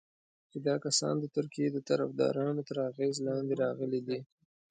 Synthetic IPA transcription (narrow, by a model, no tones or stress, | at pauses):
t͡ʃed̪ɑkasɑ̰nd̪ət̪ʊɾkijed̪ət̪aɾa̰fd̪ɑ̰ɾɑnot̪əɾaɣezlɑnd̪eɾɑɣəled̪i